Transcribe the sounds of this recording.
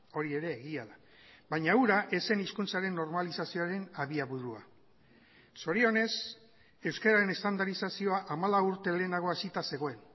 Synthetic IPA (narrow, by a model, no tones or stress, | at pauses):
o̞ɾie̞ɾe̞ːɣiaða | bajɲauɾaʔe̞se̞niskunt͡saɾe̞nːo̞ɾmalisasio̞aɾe̞naβiaβuɾua̰ | so̞ɾio̞ne̞s | e̞wskeɾaɾe̞ne̞st̪and̪aɾisasio̞aʔamalauɾt̪e̞le̞ːnaɣ̞o̞asit̪ase̞ɣ̞o̞e̞n